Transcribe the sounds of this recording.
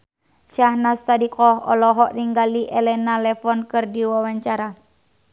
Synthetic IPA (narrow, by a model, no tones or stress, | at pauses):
ʃahnasːadikɔɦɔ̰lɔɦɔʔniŋɡaliʔɛlɛnalɛfɔnkɨrdiwawaɲt͡ʃaɾa